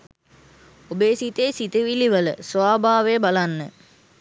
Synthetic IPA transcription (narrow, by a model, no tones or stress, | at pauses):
obeːsit̪eːsit̪əʋiliʋələ̰sʋaːbʱaːʋejəbalanːə